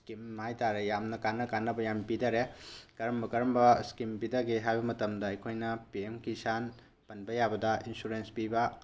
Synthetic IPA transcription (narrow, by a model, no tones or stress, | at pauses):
skimhajtaɾejamnɐkanːɐkanːɐbɐjampidɐɾekɐɾɐmbɐkɐɾɐmbɐskimpidɐɡiɦajbɐmɐtɐmdɐɐjkʰojnɐpiemkisan | pɐnbɐjabɐdɐʔinsuɾenspibɐ